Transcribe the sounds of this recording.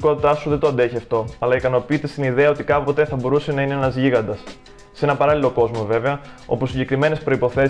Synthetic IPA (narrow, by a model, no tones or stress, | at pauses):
ko̞t̪it̪ɐsuðed̪oɐnd̪e̞çiɐft̪o̞ɐlɐikɐno̞piːt̪e̞st̪iniðe̞ɐo̞t̪ikɐpot̪e̞θɐbo̞ɾuse̞nɐineenɐzʝiɣɐnd̪ɐs | se̞nɐpɐɾɐlilo̞ko̞zmo̞ve̞veɐo̞̰pusiɲɟe̞kɾime̞ne̞spɾo̞ipo̞θe̞